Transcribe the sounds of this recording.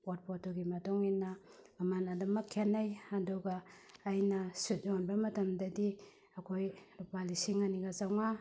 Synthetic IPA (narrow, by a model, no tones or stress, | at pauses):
ot̚pʰotoɡimɐtɔŋinːɐmɐmanɐdɐmɐkʰːenːajadɔɡaːjnɐsut̚zonbɐmɐtɐmdɐdi | ɐkʰojɾupalisiŋɐniɡazawŋa